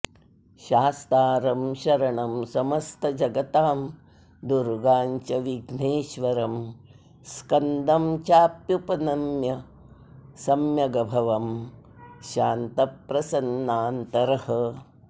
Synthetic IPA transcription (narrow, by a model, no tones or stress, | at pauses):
ʃaːst̪aːɾɐmʃɐɾɐɳɐmsɐmɐst̪ʰɐd͡ʒɐɡɐt̪aːm | d̪uɾɡaːɲt͡ʃɐʋiɡneːʃʋɐɾɐm | skɐnd̪ɐmt͡ʃaːpjupɐnɐmjɐ | sɐmjɐɡɐbʱɐʋɐm | ʃaːnt̪ɐpɾɐsɐnːaːnt̪ɐɾɐhɐ